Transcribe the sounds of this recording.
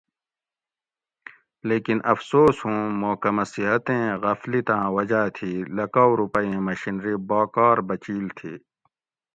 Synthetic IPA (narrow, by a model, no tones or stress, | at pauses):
leːkinʔɐfsoːsɦũːmoːkɐmɐsiɦɐt̪ẽːɣɐflit̪ãːwɐd͡ʑaːt̪ʰiːlɐkawɾupɐẽːmɐɕinɾiːbaːkaːɾbɐt͡ɕiːlt̪ʰiː